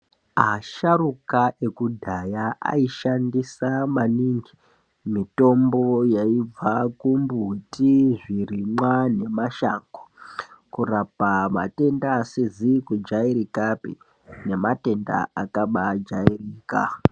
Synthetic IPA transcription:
ɦaʃarukae̞kudʱajaa̰iʃandisamaniŋɡi | mito̞mbo̞jaib͡vakumbutiʐirimwane̞maʃaːŋɡo̥kurapama̰te̞ndaːsizikud͡ʒaiɾikapḛ | ne̞mate̞nda̰akaɓad͡ʒairiːka̰

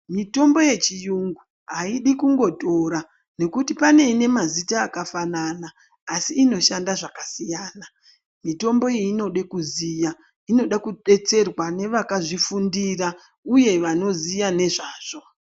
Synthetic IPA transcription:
mito̞mbo̞je̞t͡ʃijuŋɡu | ɦaiɗikuŋɡo̞to̞ɾa | ne̞kutipane̞ine̞mazitaːkafananaː | siːno̞ʃandaʐakasijaːna | mito̞mbo̞iːno̞ɗekuzija | ino̞ɗakuɗe̞t͡se̞rwane̞ʋakaʐifundira | uje̞ʋano̞zijane̞ʐaːʐ̥o̞

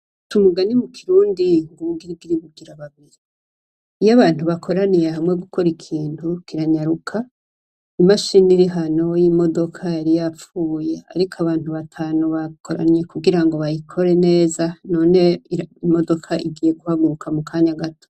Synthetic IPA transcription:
tumuɡanimukʰiɾuːndiŋɡuŋɡiɾib̚ɡiɾiβuɡiɾaβaβiɾiː | jaβaːn̥huβakʰo̞ɾanije̞ɦamŋe̞ɡukʰo̞ɾikʰiːntukiɾaɲaɾukʰa | imaʃiniɾiɦano̞jimo̞do̞kʰaaɾijafuːje̞a̰ɾikʰaβaːn̥huβatʰaːnoβakʰoɾa̰nje̞kuɡiɾaŋɡo̞βajikʰo̞ɾe̞ne̞ːzano̞ːne̞iimo̞do̞kʰaʔiɡije̞ɡuhaɡuukʰamukʰaːɲaɡato̥

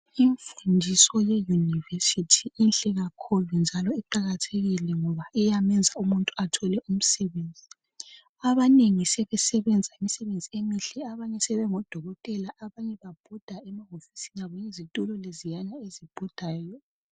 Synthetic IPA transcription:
iɱfundʱisɔjɛjunivesitʰiinɬʼɛɣakʰulund͡ʒʱalɔɛǃaɣatʰeɣilɛŋɔβaʔɛjamɛnd͡zʱaumuntʼuatʰɔlɛʔum̩sɛβend͡zʱi | aβaneŋisɛβɛsɛβɛnd͡zʱaimisɛβend͡zʱiemiɬɛaβaɲɛsɛβɛŋɔd̥ʱɔɣɔtʼɛlaʔaβaɲɛβab̥ʱɔd̥ʱaɛmaɦofi̥sinaβɔjizitʼulɔlezijanaezib̥ʱɔd̥ʱaːjɔ

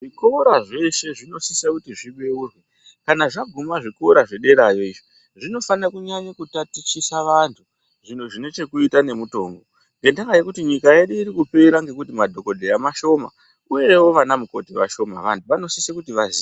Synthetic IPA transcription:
ʐikoɾaʐe̞ʃe̞ʐino̞sisakutiʐiɓe̞urwe | kanaʐaɡʱumaʐikoɾaʐe̞ɗe̞ɾajo̞iʐi | ʐino̞fanakuɲaɲakutatit͡ʃisaʋantʰu | ʐin̤oʐine̞t͡ʃe̞kuitane̞muto̞ːŋɡo̞ | ŋɡe̞ndakajekutiɲikaje̞ɗuiɾikupe̞iɾaŋɡe̞kutimadʱo̞ko̞dʱejamaʃo̞ma̰ | ujewo̞ʋanamuko̞tiʋaʃo̞ma̰ʋantʰuʋano̞sisekutiʋazi

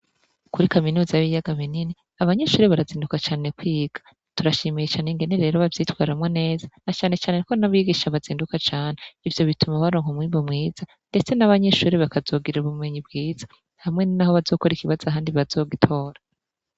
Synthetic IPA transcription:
kuɾikaminuːzajaβijaɡaβinini | aβaɲeʃuːɾiβaɾaziːndukat͡ʃaːne̞kwiːɡ̥ḁ | tuɾaʃiːmijet͡ʃaːneŋɡe̞neɾe̞ːɾo̞βavjiːtwaːɾamŋone̞ːzanat͡ʃaːne̞t͡ʃaːneko̞naβiːɡiʃaβaziːndukat͡ʃaːne̞ivjo̞βitumaβaɾoːŋ̥humwiːmbomŋiːz̥a | nde̞t͡se̞naβaɲeʃuːɾiβakazo̞ːɡiɾiɾuβumŋe̞ɲibɡiːz̥ḁ | hamŋe̞nnaho̞βazo̞ːko̞ɾikiβazaɦaːndiβazo̞ːɡitʰo̞ːɾa

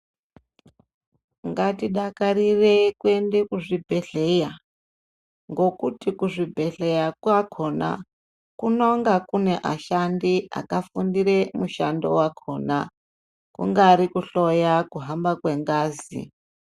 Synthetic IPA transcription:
ŋɡatiɗakaɾirekue̞ndekuʐibʱe̞ɬe̞ja | ŋɡo̞kutikuʐibʱe̞ɬe̞jakwakʰo̞na̰ | kunoŋɡakune̞ʔaʃandia̰kafundiɾemuʃando̞̰wakʰo̞ːna | kṵŋɡaɾikuɬojakuɦambakwe̞ŋɡaːzḭ

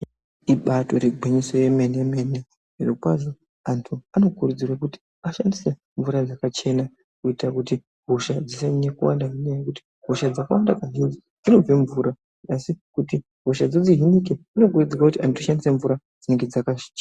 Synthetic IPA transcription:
iɓato̞ɾeɡʱweɲiso̞je̞menemene | irokwazo̞ | antʰuano̞kurud͡zirwakuti̥ | aʃandise̞ | ɱvuɾad͡zakat͡ʃe̞na | kuitrakuti | ɦoʃad͡zisenekuwa̰ndaɦinajekuti̥ | ɦo̞ʃad͡zaka̰wandakaɦinzi | d͡zino̞b͡veɱvuːɾa | asikuti | ɦo̞ʃad͡zod͡ziɦinikeino̞kurud͡zirwakutiʔantuʃandiseɱvuɾa | d͡zineŋɡe̞d͡zakḁt͡ʃː

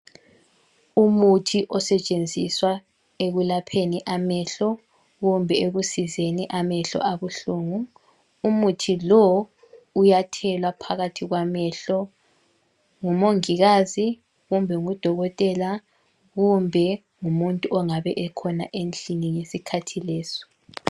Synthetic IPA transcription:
umutʰiʔɔsɛt͡ʃʼend͡zʱiswa | eɣulapʰeniʔamɛɬɔ | ɣumbʱɛeɣusizeniʔamɛɬɔ̰ʔaβuɬuːŋuː | mutʰilɔ | ujatʰɛlwapʰaɣatʰiɣwamɛɬɔ | ŋumoŋiɣazi | ɣumbʱɛŋud̥ʱɔɣɔtʼɛla | ɣumbʱɛ | ŋumuntʼuɔŋaβɛʔɛkʰɔna̰ʔent͡ɬʼiniŋesikʰatʰilɛːsɔ̥

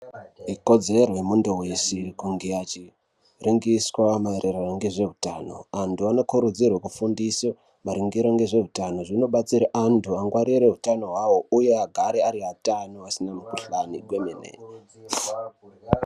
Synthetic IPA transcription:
iko̞d͡ze̞roemundowesikuŋɡeat͡ʃi | riŋɡiswamaeɾʔeraraŋɡe̞ʐe̞utaːno̞̰antʰuano̞kuɾud͡zirwekufundiso | maɾiŋɡiɾaŋɡe̞ʐe̞ɦutano̞ʐinoɓat͡siɾaʔantʰuaŋɡwaɾiɾe̞ɦutano̞ɦwawouje̞aɡʱaɾeaɾiɦatanoasinamukuɬaniɡwemenḛː

